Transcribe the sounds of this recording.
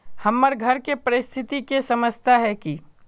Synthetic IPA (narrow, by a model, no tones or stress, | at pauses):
hɐmːəɾɡʱɐɾkepɐɾɪst̪ʰɪt̪ikesɐməst̪ʰaɦɛki